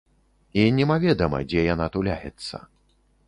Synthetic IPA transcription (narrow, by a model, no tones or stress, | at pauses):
inʲɛmavʲɛd̪ɐmɐ̰d͡zʲɛjanat̪ulʲajɛ̰t̪sːɐ̰